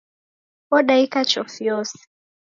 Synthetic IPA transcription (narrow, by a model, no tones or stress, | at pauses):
kɔɗaikat͡ʃɔfiɔsi̥